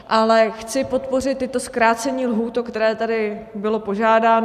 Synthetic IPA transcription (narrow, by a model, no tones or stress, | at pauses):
ʔalɛxt͡sɪpo̞t̪po̞rɪt̪̚ːɪt̪o̞skɾaːt͡sɛɲiːlɦuːt̪okt̪ɛɾɛːt̪adɪbɪlo̞po̞ʒaːdaːn